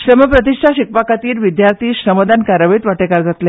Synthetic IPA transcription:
ɕɾəməpɾət̪̬iɕʈʰaɕik̚pakat̪iːɾʋid̪jaɾt̪ʰiːɕɾəməd̪ankaɾəʋiːt̪ʋaʈekaɾd͡zat̪le

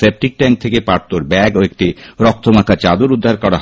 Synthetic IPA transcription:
sep̚ʈik̚ʈɛŋk̚t̪ʰekepaɾt̪oɾbɛɡoek̚ʈiɾɔk̚t̪ʰomakʰːat͡ɕad̪oɾud̪ʱːaɾkɔɾaɦ

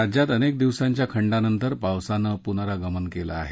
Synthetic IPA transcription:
ad͡ʑjat̪ənek̚d̪iʋsaɲt͡ɕjakʰəɳɖanənt̪əɾpawsanəpunaɾaɡəmənkela̰ːɦe

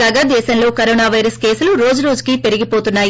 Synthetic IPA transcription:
aɡaːd̪ɛːʃɐnlo̞ːkɐɾoːnaːʋɐjɾɐske̞ːsuluɾo̞ːd͡ʒuɾo̞ːd͡ʒukipe̞ɾiɡipo̞ːt̪unːaːj

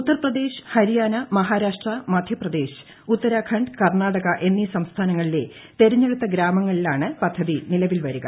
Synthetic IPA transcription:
ut̪ːɐrprɐd̪e̞ːɕhɐɾijaːnɐmɐɦaːɾaːʂʈrɐmɐd̪ʱjɐprɐd̪e̞ːɕ | ut̪ːɐɾakʰɐɳɖkɐrɳaːɽɐɣɐʔe̞nːisɐmst̪ʰaːnɐŋːɐɭile̞ | t̪e̞ɾɐɲːe̞ɽut̪ːɐɡɾaːmɐŋːɐɭilaːɳɨpɐd̪ʱːɐðinilɐʋilʋɐɾuɣɐ̰

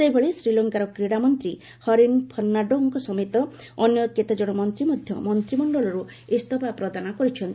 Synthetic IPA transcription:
sebʱɔɭesɾilɔŋkaɾɔkɾiɽamɔnt̪ɾi | hɔɾinpʰɔɾnaɖoŋkɔsɔmet̪ɔ | ɔnjɔket̪ad͡ʒɔɽ̃ɔmɔnt̪ɾimɔd̪ʱjɔ̰mɔnt̪ɾimɔɳɖɔlɔɾu | esʈ̪ɔpapɾɔd̪anɔkɔɾit͡ʃʰɔnt̪i

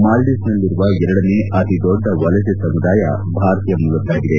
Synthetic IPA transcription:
maːlɖisnɐlːiɾuʋɐɛɾɐɽɐneɐt̪id̪ɔɖʱːɐʋɐlɐsesɐmud̪aːjɐ̰ | bʱaːɾt̪ijɐmuɭɐt̪ːaːɡid̪e̞

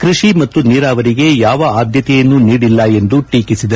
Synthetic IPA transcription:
kɾiʃimɐt̪ːuniːɾaːʋɐɾiɡe̞jaːʋɐaːd̪ʱjɐt̪ɛjɐnːuniːɽilːɐe̞nd̪uʈiːkisid̪ɐ

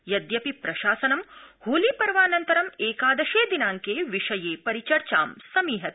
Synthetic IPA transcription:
jɐd̪jɐpipɾɐʃaːsɐnɐmhuːlipɐɾʋaːnɐnt̪ɐɾɐmeːkaːd̪ɐʃeːd̪inaːŋkeːʋiʂɐjeːpɐɾit͡ʃɐɾt͡ʃaːmsɐmiːɦɐt̪̚

